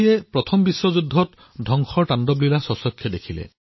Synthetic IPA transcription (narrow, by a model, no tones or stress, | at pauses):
ɛpɹɔt̪ʰɔmbisːwɔzudʱːɔt | dʱɔŋxʰɔɹʈandɔblilasɔsɔkʰjɔdekʰilɛ̰